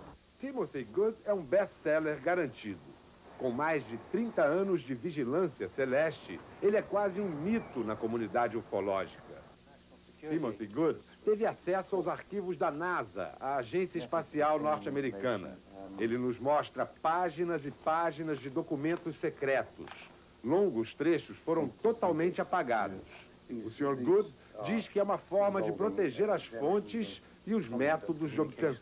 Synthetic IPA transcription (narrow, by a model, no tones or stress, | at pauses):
simõfeɡud̪ɛũbɛssɛleɾɡaɾɐ̃nt͡ʃid̪ʊ̰ | kõw̃majzd͡ʒɪt̪ɾĩnt̪ɐɐ̃nʊzd͡ʒɪviʒilɐ̃siɐselɛʃt͡ʃɪ̰elɪɛkwazɪũmit̪ʊnɐkomũnid̪ad͡ʒɪoɾfolɔ̰ʒikɐ̰ | imõfiɡud̪t̪evɪasɛsʊawzaɾkivʊzd̪ɐnazɐ̰a̰ːʒẽsiɐɪspasiawnɔɾt͡ʃɪameɾikɐ̃nɐ̰ | elɪnʊzmɔst̪ɾɐpaʒinɐzɪpaʒinɐzd͡ʒɪd̪okumẽnt̪ʊssekɾɛt̪ʊ̰s | lõŋɡʊst̪ɾeʃʊsfoɾɐ̃w̃t̪ot̪awmẽnt͡ʃɪapaɡa̰d̪ʊs | ʊsĩɲoɾɡud̪ | d͡ʒiskɪɛũmɐfɔɾmɐd͡ʒɪpɾot̪eʒeɾɐsfõnt͡ʃɪz | ɪʊzmɛt̪od̪ʊzd͡ʒɪobɪt̪ẽsɐ̃